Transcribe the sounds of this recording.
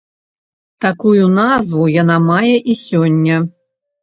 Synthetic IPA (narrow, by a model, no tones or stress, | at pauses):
t̪akujunazvujanamajɛʔisʲɔnʲːɐ